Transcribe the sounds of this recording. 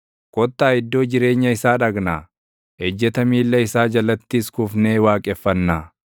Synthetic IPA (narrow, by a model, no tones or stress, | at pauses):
kɔt̪ːaːɪd̪ːo̞ːd͡ʒɪɾe̞ːɲːɐɪsaːᶑɐɡnaː | ɛd͡ʒːɛt̪ɐmiːlːɐɪsaːd͡ʒɐlɐt̪ːiskʊfneːwaːkʼɛfːɐnːaː